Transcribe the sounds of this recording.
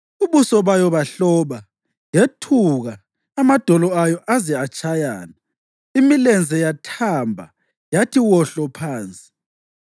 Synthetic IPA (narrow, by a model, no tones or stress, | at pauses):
uβusɔβajɔβaɬɔːβa | jetʰuɣaː | mad̥ʱɔlɔajɔʔazɛat͡ʃʼaja̰ːna | imilɛnd͡zʱɛjatʰambʱa̰ | jatʰiwɔɬɔpʰaːnt͡sʼi̥